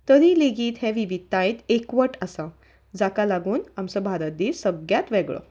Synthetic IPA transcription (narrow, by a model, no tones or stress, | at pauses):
t̪əɾiːleɡiːt̪ɦɛ̃ʋiʋit̪ːãjt̪ekʋəʈəsa | d͡zakalaɡuːnamsəbʱaɾəd̪isəɡjat̪ʋeɡɭə̰